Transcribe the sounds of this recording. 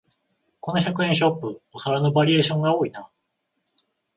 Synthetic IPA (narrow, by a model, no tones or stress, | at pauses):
ko̞no̞çakɯ̟ẽɕ̬o̞pːɯosaɾano̞baɾʲie̞ːɕõ̞ŋɡao̞ːina